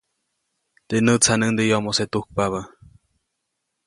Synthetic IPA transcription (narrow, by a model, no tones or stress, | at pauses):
t̪enət͡sʰanənd̪ejomoset̪uk̚paβə